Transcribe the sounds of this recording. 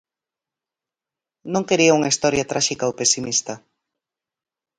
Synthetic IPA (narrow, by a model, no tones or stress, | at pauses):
nõŋkeɾiauŋɐist̪ɔɾjɐt̪ɾʔaʃikaowpesimist̪ɐ